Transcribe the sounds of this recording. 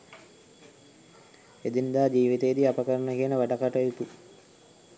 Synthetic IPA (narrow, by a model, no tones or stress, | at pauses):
ed̪ind̪aːd͡ʒiːʋit̪ejːd̪iapəkəɾənəkiənəʋaɖakaʈəjit̪u